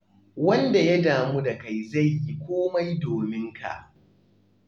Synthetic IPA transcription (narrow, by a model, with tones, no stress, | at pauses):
wɐ˦nda˨ja˦daː˨mu˦da˨ka˨jza˦˨jːi˦kʷoː˦ma˦jdoː˨mɪ˦ŋkʰa̰˨ʔ